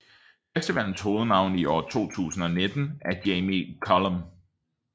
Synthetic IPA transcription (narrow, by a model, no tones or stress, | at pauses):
esd̥əʋæn̰n̩sho̝ːð̞̩ˠnɑ̈ʊ̰niʔɒ̰ːt͡sʰo̝̰ːt͡sʰṵːsn̩ɒ̽ne̝d̥n̩æɐd̥eɪmikʰɒləm